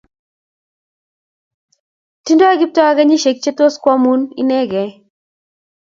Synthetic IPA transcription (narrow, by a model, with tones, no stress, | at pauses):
ti˦ndo˦a˦ɡi˦p̚tɔ˦a˦ɡa˦ɲi˦ʃe˨k̚t͡ʃe˦t̪o˦skwa˦mu˦nḭ˦nɛ˦ɡɛ˨